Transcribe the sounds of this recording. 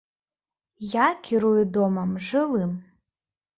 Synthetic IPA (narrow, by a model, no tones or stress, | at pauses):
jakʲʰiɾujud̪ɔmɐmʐɨlˠɨm